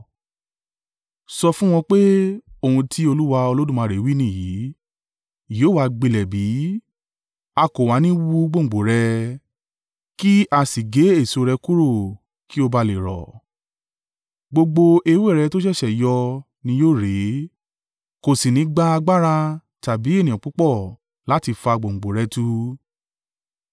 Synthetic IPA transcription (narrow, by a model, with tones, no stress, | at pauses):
sɔ˧fũ˦w̃ɔ̃˧k͡pe˦o˦˨ũ˧tʰi˦o˧lu˦wa˧o˧lo˦dũ˦˨mã˧ɾe˨˦wi˦nĩ˦˨ji˨˦˨ | joː˦wa˧ɡ͡be˧lɛ˨bi˨˦ | a˧ko˨wa˨˦nĩ˦wu˦˧˦ɡ͡bo˦˨ɡ͡bo˨ɾɛ˧ | ki˦ʔa˧˨si˨ɡe˨˦e˦˨so˨˧ɾɛ˧ku˦ɾo˦˨ | ki˦o˧ba˧le˨ɾɔ̰˨ | ɡ͡bo˧ɡ͡bo˧ʔe˧we˦˨ɾɛ˧to˦ʃɛ˦˨ʃɛ˨jɔ˧ | nĩ˧˦joː˦˨ɾe˨˦ | ko˨si˨nĩ˨˦ɡ͡ba˧a˧ɡ͡ba˦ɾa˧ | ta˨bi˨˦e˦˨nĩ˨ɔ̃˨k͡pu˨˦k͡pɔ˦˨ | la˨˦ti˧fa˧ɡ͡bõ˨ŋ͡m̩˨ɡ͡bo˨ɾɛ˧˦tu˦